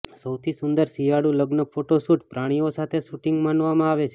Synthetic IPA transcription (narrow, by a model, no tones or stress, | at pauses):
səwt̪ʰisʊnd̪əɾsijaɽũləɡnəpoʈosuʈpɾaɽ̃iosat̪ʰeʃuʈiŋɡmanʋamãaʋet͡ʃʰe